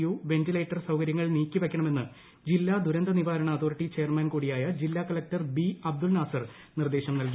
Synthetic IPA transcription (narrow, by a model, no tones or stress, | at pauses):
juːʋe̞ntile̞ːʈːɐrsɐwkɐɾjɐŋːɐɭniːkʲːiʋekʲːɐɳɐme̞nːɨ | d͡ʑilːaːd̪uɾɐnd̪ɐniʋaːɾɐɳɐɐt̪ʰoːriʈːit͡ɕe̞jɐrmɐːnkuːɽijaːjɐd͡ʑilːaːkɐlɐk̚tɐrbiɐb̚d̪ulnaːsɐr | nird̪eːɕɐmnɐlki